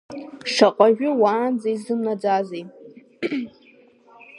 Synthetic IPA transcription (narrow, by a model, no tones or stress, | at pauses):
ʂaqʼaʒᶣʊwaːnd͡zajzɨmnad͡zazej